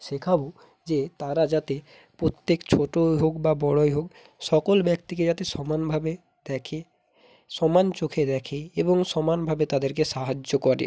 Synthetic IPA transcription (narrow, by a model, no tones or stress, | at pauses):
ʃekʰabo | d͡ʒet̪aɾad͡ʒat̪e | pɾot̪ːekt͡ʃʰoʈoɦokbabɔɽojɦok | ʃɔkolbjɛk̚t̪iked͡ʒat̪esɔmanbʱabe | d̪ɛkʰe | sɔmant͡ʃokʰed̪ɛkʰeeboŋsɔmanbʱabet̪ad̪eɾkeʃaɦad͡ʒokɔɾḛ